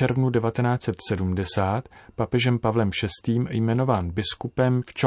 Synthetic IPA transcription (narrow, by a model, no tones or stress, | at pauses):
ɛɾvnudɛvat̪ɛnaːt͡sɛt̪sɛdumdɛsaːt̪papɛʒɛmpavlɛmʃɛst̪iːmjmɛno̞vaːnbɪskupɛmft͡ʃɛ